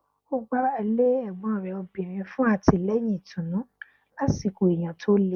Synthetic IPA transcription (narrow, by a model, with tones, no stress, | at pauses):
o˦ɡ͡ba˦a˧le˦ɛ˦˨ɡ͡bɔ̃˨ɔ˨ɾɛ˨ɔ˧bĩ˨ɾ̃ĩ˧fũ˦a˦˧˨tʰi˧˨lɛ˦j̃ĩ˦˨tũ˨nũ˨˦ | la˦si˨ko˨e˨j̃ã˨tʰo˦le˦